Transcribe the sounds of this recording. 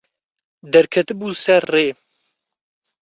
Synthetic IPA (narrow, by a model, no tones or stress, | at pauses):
d̪ɛɾkʰɛt̪ɨbuːsɛɾːeː